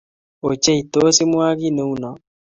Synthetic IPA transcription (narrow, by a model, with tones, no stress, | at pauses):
o˨t͡ʃɛ˦i˨to˦si˦mwa˦ɣi˦ne˨u˦nɔ˨